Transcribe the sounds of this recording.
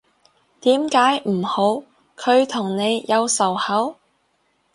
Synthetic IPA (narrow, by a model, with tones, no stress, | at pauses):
t̪iː˨˥mkaː˨˥jm̩˨˩ho˨˥w | kʰɵ˨˧ɥt̪ʰʊ˨˩ŋne˨˧jjɐ˨˧wsɐ˨˩whɐ˨˥w